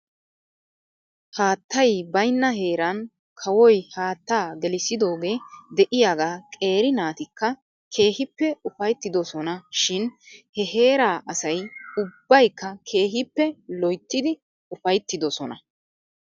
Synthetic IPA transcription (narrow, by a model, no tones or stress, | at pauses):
haːt̪ːɐjbɐjnːɐɦe̞ːɾɐn | kʰɐwɔjhaːt̪ːaːɡɛlɪsɪd̪o̞ːɡe̞ːd̪ɛʔɪjaːɡaːkʼe̞ːɾɪnaːt̪ɪkːɐ | kʰe̞ːhɪpːɛʊfɐjt̪ːɪd̪ɔsɔnɐʃɪnhɛɦe̞ːɾaːʔɐsɐjʊbːɐjkːɐkʰe̞ːɦɪpːɛlɔjt̪ːɪd̪ɪ | ʊfɐjt̪ːɪd̪ɔsɔnɐ̰